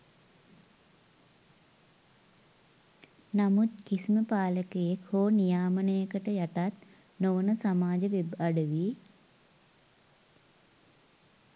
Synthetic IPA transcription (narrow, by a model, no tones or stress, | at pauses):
namut̪kisiməpaːləkejekhoːnijaːmənəjəkəʈəjaʈat̪̚ | noʋənəsamaːd͡ʒəʋebaɖəʋi